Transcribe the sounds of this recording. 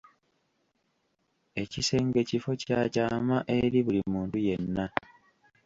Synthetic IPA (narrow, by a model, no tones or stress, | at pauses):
e̞cise̞ːŋɡe̞cifo̞caːcaːmaʔe̞ɾiβulimuːntuje̞nːa